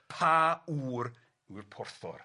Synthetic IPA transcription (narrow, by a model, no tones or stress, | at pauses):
pʰauːr | urpʰɔrθɔ̰r